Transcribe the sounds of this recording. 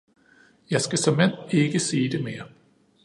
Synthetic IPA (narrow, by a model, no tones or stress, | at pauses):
jɑ̈ɪsɡ̥æsɒ̽men̰e̝ɡ̥əsiːd̥e̝me̝ːɐ